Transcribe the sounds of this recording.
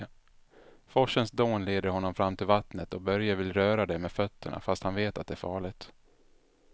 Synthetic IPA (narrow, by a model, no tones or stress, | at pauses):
fɔʂənsd̪oːnleːd̪əɾhɔnːɔmfɾamːt̪ʰɪlvat̪nət̪ɔbœɾjavɪlɾœːɾad̪ɛmeːd̪fœt̪ʰːəɳa̰fast̪hanveːt̪at̪̚d̪ɛæːɾfɑːɭɪt̪